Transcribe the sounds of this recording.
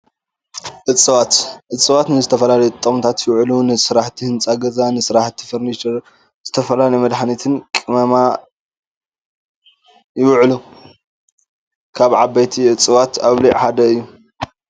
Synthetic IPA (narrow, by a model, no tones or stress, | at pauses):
ʔɨt͡sʼːɨβat̪ʔɨt͡sʼːɨβat̪nɨzɨt̪ʰɐfɐlalɐjt̪ʼːɐmt̪ʰat̪jɪwʕlunɨsɨɾaħt̪ʰihɨnt͡sʼaɡɐzʼanɨsɨɾaħt̪ʰi̥fɐɾnit͡ʃɐɾ | z̥ɨt̪ʰɐfɐlalɐjmɐd̪ħnit̪ʰɨnkʼɨmɐma | jɪwʕlu | kʰaβʕabajt̪ʰiʔɨt͡sʼɨβat̪aβliʕħad̪ɐɨjːu